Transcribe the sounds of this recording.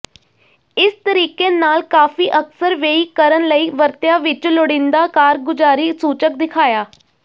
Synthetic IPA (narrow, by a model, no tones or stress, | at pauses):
ɪst̪əɾiːkeːnaːlkaːfiːʔəksəɾʋeːiːkəɾənləiːʋəɾt̪jaːʋɪt͡ʃloɽɪ̃nd̪aːkaːɾɡʊd͡ʒaːɾiːsuːt͡ʃək̚d̪ɪkʰaːjaː